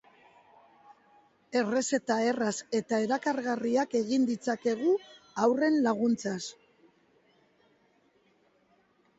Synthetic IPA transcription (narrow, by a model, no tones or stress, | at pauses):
e̞re̞se̞t̪ae̞rase̞t̪ae̞ɾakaɾɣariake̞ɣind̪it͡sake̞ɣuawre̞nlaɣ̞unt͡sas